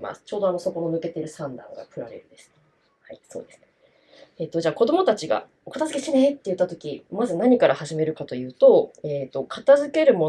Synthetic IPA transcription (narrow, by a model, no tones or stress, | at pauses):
ma̰sɨ̥t͡ɕo̞ːd̪o̞anoso̞ko̞nonɯ̟ke̞t̪eɾɯ̟sãnd̪ã̰ŋɡa̰kɯ̟ɾaɾe̞ɾɯ̟d̪e̞sɨ̥t̪a | haiso̞̰ːd̪e̞sɨ̥ne | eːt̪ːo̞d͡ʑaːko̞d̪o̞mo̞t̪at͡ɕiɡa̰ | okat̪azɨ̥ke̞t̪enet̪ːe̞jɯ̟t̪ːat̪o̞kʲimazɨnaɲ̟ikaɾahaʑime̞ɾɯ̟kat̪o̞jɯ̟ːt̪o̞eːt̪ːo̞kʰat̪azɨke̞ɾɯ̟mo̞